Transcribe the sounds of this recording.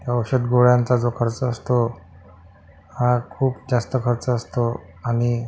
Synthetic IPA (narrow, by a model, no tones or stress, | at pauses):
ɦjaəwɕəd̪ɡoɭjant͡sad͡zokʰəɾt͡səəst̪o | hãkʰuːpd͡zast̪əkʰəɾt͡səːst̪o | aɽ̃i